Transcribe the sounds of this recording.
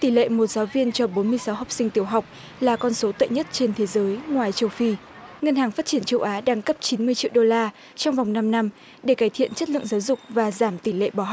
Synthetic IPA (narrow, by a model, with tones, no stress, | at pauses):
t̪i˧˩lḛ˧˨mo˨˩t̚zaː˨˦wvi˧ənt͡ɕɔ˧ɓo˨˦nmɨ˧əjsa˨˦wɦa˨˩wk͡p̚sï˧ŋ̟t̪i˧˩əwɦa˨˩wk͡p̚ | laː˨˩kɔ˧nso˨˦t̪ə̰˧˨jɲə˦˥t̚t͡ɕe˧nt̪ʰe˨˦zəː˨˦jŋwaː˨˩jt͡ɕə˧wfi˧ | ŋə˧nhaː˨˩ŋfaː˦˥t̚t͡ɕi˧˩ənt͡ɕə˧wʔaː˨˦ɗaː˧ŋkə˦˥p̚t͡ɕi˨˦nmɨ˧əjt͡ɕḭ˧əwɗo˧laː˧ | t͡ɕɔ˧wŋ͡mva˨˩wŋ͡mna˧mna˧m | ɗe˧˩kaː˧˩jt̪ʰḭ˧˨ənt͡ɕə˦˥t̚lɨ̰˧˨əŋzaː˨˦wzʊ˨˩k͡p̚vaː˨˩zaː˧˩mt̪i˧˩lḛ˧˨ɓɔː˧˩ɦ